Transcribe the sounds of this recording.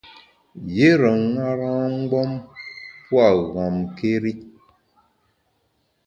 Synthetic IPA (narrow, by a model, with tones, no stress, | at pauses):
je˦ɾə˨ŋa˦ɾãː˦ŋ̩˦ɡ͡bɔ˦mpwa˦˨ɣɔ˨mke˦ɾi˦